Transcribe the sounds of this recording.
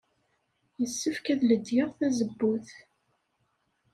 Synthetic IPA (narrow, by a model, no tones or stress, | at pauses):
jəsːəfkæðləd̪jɪʁθæzəbːuθ